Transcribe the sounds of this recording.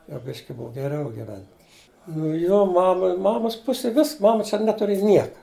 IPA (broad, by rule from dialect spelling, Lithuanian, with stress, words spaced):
jɛʊ ˈbʲɪʃʲkʲɪ ˈbʊw ɡʲɛˈrʲɛʊ ɡʲɪˈʋʲɛnʲtʲ nʊ ˈjoː ˈmɑːmɐ ˈmɑːmoːs ˈpʊsʲɪj ˈʋʲɪs ˈmɑːmɐ t͡ʃʲɛ ˈnʲæːtʊrʲeːjɛ ˈnʲiɛkɐ